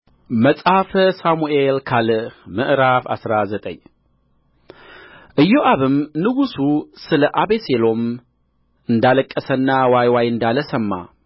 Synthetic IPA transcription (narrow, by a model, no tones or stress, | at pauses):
məsʼhafsamuelkʰalɨmɨʔɾafa̰sɾazət̪ʼə̰ɲː | ʔɨjːoʔaβɨmnɨɡususɨləʔaβeselo̞m | ɨnd̪aləkʼːəsənːawajwajɨnd̪aləsəmːa̰